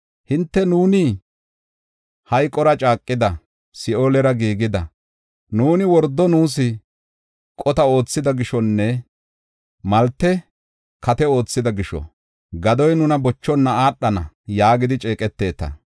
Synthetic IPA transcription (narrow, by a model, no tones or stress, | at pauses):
hɪnt̪ːɛnuːnɪ | hɐjkʼːɔɾɐt͡ʃʼaːkʼːɪd̪ɐ | sɪoːlɛɾɐɡiːɡɪd̪ɐ | nuːnɪwɔɾd̪ːɔnuːs̬ɪ | kʼɔt̪ɐo̞ːt͡sːɪd̪ɐɡɪʃɔnːɛ | mɐlt̪ːɛ | kʰɐt̪ɛo̞ːt͡sːɪd̪ɐɡɪʃɔ̰ | ɡɐd̪ɔjnʊnɐbɔt͡ʃːɔnːɐaːɗːɐnɐ | jaːɡɪd̪ɪt͡ʃʼeːkʼɛt̪ːe̞ːt̪ɐ̰